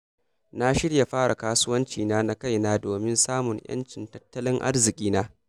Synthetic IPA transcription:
na˦ʃɪ˦ɽja˨ɸaː˦ɽʔa˨kaː˦sʊ˦wɐ˦nt͡ʃiː˨naː˦na˦ka˦˨jnaː˦doː˨mɪ˦nsaː˦mʊ˨ŋjɐ̰˦nt͡ʃɪ˨ntɐ̥˦tːɐ˦lɪ˦ŋʔa̰˦rzɪ˨kʲʼiː˦naː˦

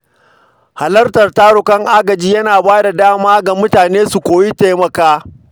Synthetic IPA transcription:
ha˨lɐ˦rtɐ˨rtaː˦ɾʊ˨kɐ˦ŋʔaː˦ɡɐ˨d͡ʒiː˦jɐ˦naː˨baː˦da˨daː˦maː˦ɡa˨mʊ˦taː˨neː˦su˨kʷoː˨ji˦teː˦mɐ˨kaː˦

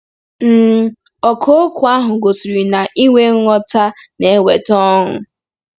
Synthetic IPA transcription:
m̩˦˨ɔ˨kʰo˦kʊ˨˦a˦ɦʊ˨ɡo˨si˨ɾi˨na˨ʔi˦wʷe˦ŋ̩˦ŋɔ˦ta˦ne˨˦we˨tɔ˦ɦʊ˨

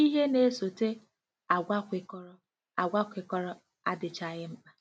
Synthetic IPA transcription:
i˦ɦe˦ne˦so˨te˦ | a˨ɡʷa˦kʷɪ˨kɔ˦ɾɔ˦ | a˨ɡʷa˦kʷɪ˨kɔ˦ɾɔ˦ | a̰˦dɪ˨t͡ʃa˨ɣɪ˦ŋ͡m̩˦k͡pa˦

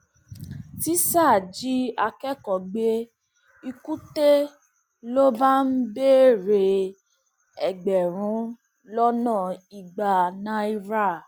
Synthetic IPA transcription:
ti˦sa˦˨d͡ʒi˦a˧kɛ˦kɔ˨ɡ͡be˦ | i˧ku˦te˦ | lo˦ba˦n̩˦be˦˨ɾe˧ | ɛ˨ɡ͡bɛ˨ɾ̃ũ˨˦ | lɔ˦nã˦˨i˨ɡ͡ba˨nã˦i˧ɾa˦˨

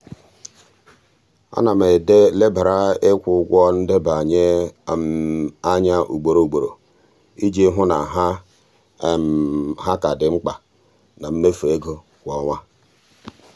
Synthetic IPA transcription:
a̰˦na˨me˨de˦le˦ba˨ɾa˦ɪ˦kʷʊ˨˦ɡʷɔ˦n̩˦de˦ba˨ɲe˦˨ | a˦ɲa˦ʔṵ˨ɡ͡bo˨ɾo˨u˨ɡ͡bo˨ɾo˨ | i˦d͡ʒe˦ɦʊ˦na˨ɦa˦˨ | m˨ɦa˦ka˨dɪ˨ŋ͡m̩˦k͡pa˨ | na˨m̩˦me˦fu˨e˦ɡo˦ | kʷɔ˨˦ŋʷa˦

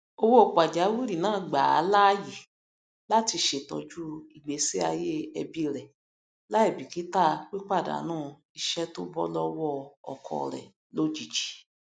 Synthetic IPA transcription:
o˧wo˦o˨k͡pa˨d͡ʒa˨˦wu˦ɾi˦˨nãː˦˨ɡ͡ba˨a̰˨˦la˦˨ji˨ | la˦ti˧ʃe˨tɔ˧d͡ʒu˦i˨ɡ͡be˨˦si˦a˧je˦ɛ˧bi˦ɾɛ˨ | la˦i˦˨bi˨ki˨˦ta˦˨k͡pi˦k͡pa˦˨da̰˨˦nãː˦˨˧ | i˧ʃɛ˦to˦bɔ˦lɔ˦wɔ˦ɔ̰˨kʰɔ̰˨ɾɛ̰˨ | lo˦d͡ʒi˨d͡ʒi̥˨˦

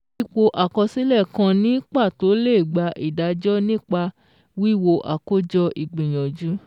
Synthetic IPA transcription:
i˧k͡po˧ʔa˨kɔ˧si˦lɛ˦˨kã˧nĩ˦k͡pa˦˨to˨˦le˦˨ɡ͡ba˧ʔi˨da˨˧˦d͡ʒɔ˦nĩ˦k͡pa˧ | wi˦˨wo˧ʔa˨ko˦d͡ʒɔ˧ʔi˨ɡ͡bĩ˨j̃ɔ̃˨d͡ʒu˨˦

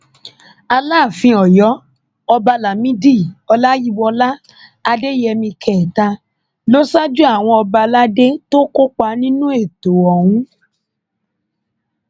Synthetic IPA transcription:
a˧la˦˨fĩ˧ɔ˨jɔ˨˦ | ɔ˧ba˧la˨mĩ˦di˦˨ɔ˧la˦ji˦wɔ˧la˦ | a˧de˦jɛ˧mĩ˧kʰɛ˨ta˧ | lo˦sa˦d͡ʒu˦a˦˨w̃ɔ̃˧ɔ˧ba˧la˦de˦to˦ko˦k͡pa˧˦nĩ˦nũ˦e˦˨to˨ɔ˨w̃ũ˨˦

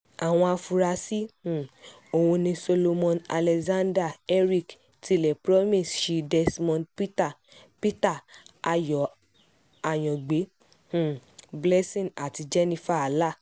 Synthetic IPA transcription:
a˨w̃ɔ̃˧a˧fu˧ɾa˧si˦hũ˨ | o˨wũ˧nĩ˧so˧lo˧mɔ̃˧na̰˧lɛ˧zã˦nda˦˨ɛ˦ɾi˦˨k | ti˧lɛ˨pɾɔ˦mĩ˦˨sʃi˧dɛ˧smɔ̃˦˧npi˦ta˨ | pi˦ta˦˨a˨jɔ˨ | a˨j̃ɔ̃˨ɡ͡be˨˦ | hũ˨blɛ˦sĩ˦˨a˨ti˧d͡ʒɛ˦nĩ˧fa˦˨a˨la˦˨

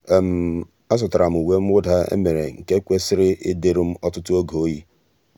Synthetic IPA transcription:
m̩˨˦ | a˦s̬ʊ˨ta˨ɾa˨m̩˨u˨we˦m̩˦wʊ˦da˦ḛ˦me˨ɾe˨ŋ̩˨ke˦kʷe˦sɪ˦ɾɪ˦ʔɪ˦de˦ɾʊ˦m̩˦ɔ˦tʊ˦tʊ˦o˦ɡo˨o˦ji˦

